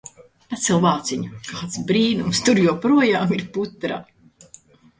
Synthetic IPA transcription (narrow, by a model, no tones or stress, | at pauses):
at̪sɛlˠvaːt̪siɲukaːt̪sbɾiːnumst̪uɾjuɔpɾuɔjaːmiɾput̪ɾa̰